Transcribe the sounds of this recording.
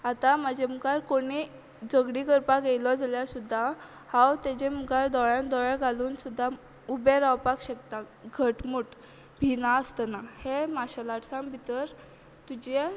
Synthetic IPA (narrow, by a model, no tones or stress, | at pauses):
at̪amad͡ʑeməkaɾkoɽ̃i | d͡zəɡɽikəɾpaɡelɔd͡zaljasud̪ʱːa | hãwt̪ed͡ʑeməkaɾd̪ɔɭjãnd̪ɔɭɛɡʱaluːnsud̪ʱːa | ubeɾawpakɕək̚t̪aɡʱəʈmuːʈ | bʱinaəst̪ənahemaɕalaʈsãmbʱit̪əɾ | t̪ud͡ʑe